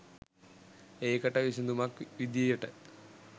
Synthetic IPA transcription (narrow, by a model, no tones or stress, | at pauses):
ejkɐʈːɐʋisind̪umakʋid̪jɐjuʈːɨ